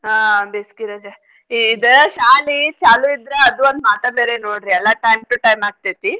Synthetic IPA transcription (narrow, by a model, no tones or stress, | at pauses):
ɦabeskiɾɐd͡ʒe | id̪əʃaːlit͡ʃaːluid̪ɾeɐd̪uond̪maːt̪ɐbeːɾenoːɽɾiɛlːaʈɐjmʈuʈɐjmaːɡ̚t̪ajt̪i